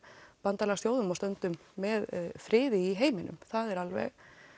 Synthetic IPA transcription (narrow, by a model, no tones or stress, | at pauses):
pant̪alɛɣasθjoːwðʏmɔst̪œnt̪ʏmːɛðfɾɪːðɪiɦeːjmɪnʏ̰mθaðɛɾalvɛ̰ɣ